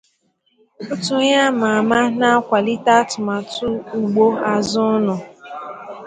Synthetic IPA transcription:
ʊ˦tʊ˨˦ɲa˦ma˨a˨ma˦na˦a˦kʷa˨li˦ta˦tʊ˨ma˨tʊ˦u˨ɡ͡bo˦a˦zʊ˦nʊ˨

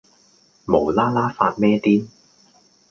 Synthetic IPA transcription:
mo˨˩wlaː˥laː˥faː˧t̚mɛː˥t̪iː˥n

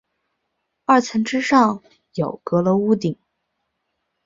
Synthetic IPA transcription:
ɐ˥˩t͡sʰə˧˥nʈ͡ʂɻ̩˥ʂɑ˥˩ŋ | jo˨˩ʊkɤ˧˥lə˧u˥˩t̪i˨˩˦ŋ

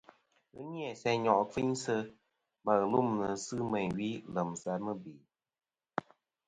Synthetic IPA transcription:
ɣɨ̰˦ni˦ɛ˨sɛ˧ɲɔ˨ʔfi˦ɲsə˧ | ma˨ɣlu˦mnɨ˨sɨ˦mɛ˨ɲɥi˨˦lə˨msa˧mɨ˦bi˨

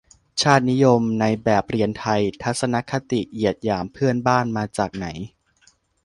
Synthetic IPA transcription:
t͡ɕʰaː˥˩t̪̚ni˦˥jo˧mna˧jbɛː˨˩p̚ɾi˧ənt̪ʰa˧jt̪ʰa˦˥t̪̚sa˧na˦˥kʰa˦˥t̪i˨˩ʔi˨˩ət̪̚jaː˩mpʰɯ˥˩ənbaː˥˩nmaː˧t͡ɕaː˨˩k̚na˩˦j

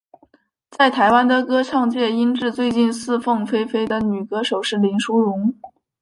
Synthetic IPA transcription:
t͡sa˥˩ɪt̪ʰa˧˥ɪwa˥nd̪ə˨kɤ˥ʈ͡ʂʰɑ˥˧ŋt͡ɕjɛ˥˩i˥nʈ͡ʂɻ̩˥˧t͡swe˥˧ɪt͡ɕi˥˧nsɹ̩˥˧fɤ˥˩ŋfe˥ɪfe˥ɪd̪ə˨ny˨˩kɤ˥ʂo˨˩ʊʂɻ̩˥˩li˧˥nʂu˥ɻʊ˧˥ŋ

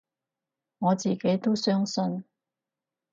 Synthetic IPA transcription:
ŋɔː˨˧t͡siː˨˩ke˨˥jt̪o˥wsœː˥ŋsɵ˧n

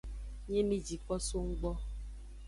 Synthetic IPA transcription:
ɲe˦ni˦d͡ʒi˨k͡pɔ˦so˦ŋ̩˦ɡ͡bɔ˦

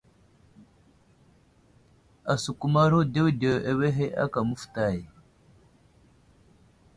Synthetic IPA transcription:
a˨su˨ku˦ma˦ɾo˦de˦wde˨wʔe˨we˦ɦe˦ʔa̰˦ka˨mu˦fta˦˨j

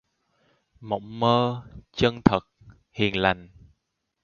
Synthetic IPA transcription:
mə̰˧˥wŋ͡mməː˧t͡ɕə˧nt̪ʰə˨˩k̚ | hḭ˨˩ənla̰˨˩jŋ̟

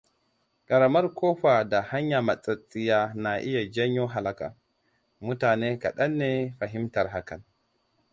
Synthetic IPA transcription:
kʼa˨ɾa˨ma˦ɾkʰɔː˦ɸa˨da˨ha˦ɲja˨ma˨t͡sʼa˨t͡sʼːi˦jaː˦na˨ʔi˦ja˨d͡ʒa˦ɲːɔ˦ɦa˨la˦ka̰˨ | mu˦taː˨nɛ˦ka̰˨ɗa˦nːɛ˦ɸa˨ɦi˦mta˨ɾɦa˦ka˨n

